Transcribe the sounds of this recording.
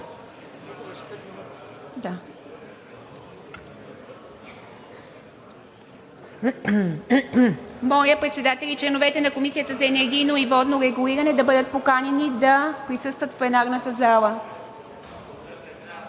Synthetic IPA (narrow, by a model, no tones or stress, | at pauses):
d̪a | mɔjəpɾɛt̪sɛd̪at̪ɛlit͡ʃlɛnovɛt̪ɛnɐkomisijət̪əzɐɛnɛɾɡ̟ʲijnoivɔd̪noɾɛɡuliɾɐnɛd̪ɐbɤd̪ət̪̚pokanɛnid̪ɐpɾisɤst̪vət̪fpɛnaɾnət̪əzalˠə